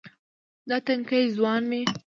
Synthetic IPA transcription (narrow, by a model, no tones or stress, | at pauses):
d̪ɑt̪aŋkəjzwɑnme